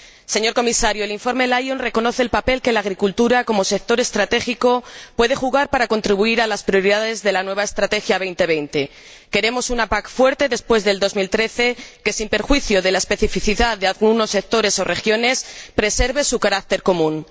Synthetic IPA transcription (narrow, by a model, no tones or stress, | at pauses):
se̞ɲo̞ɾko̞misaɾjoeliɱfo̞ɾme̞lajonre̞ko̞no̞θeːlpape̞lke̞laːɣɾikult̪uɾako̞mo̞se̞k̚t̪o̞ɾe̞st̪ɾat̪e̞xiko̞pwe̞ð̞e̞xuɣ̞aɾpaɾako̞nt̪ɾiβ̞uiɾalaspɾjoɾiðaðe̞zðe̞lanwe̞β̞ae̞st̪ɾat̪e̞xjaβ̞ejnt̪e̞β̞e̞jnt̪e̞ | ke̞ɾe̞mo̞sunapakfwe̞ɾt̪e̞ðe̞spwe̞zðe̞ld̪o̞zmilt̪ɾe̞θeke̞simpe̞ɾxwiθjoðe̞lae̞spe̞θifiθiðaððealɣuno̞sːe̞k̚t̪o̞ɾe̞so̞re̞xjo̞ne̞spɾe̞se̞ɾβe̞sukaɾak̚t̪e̞ɾko̞mũn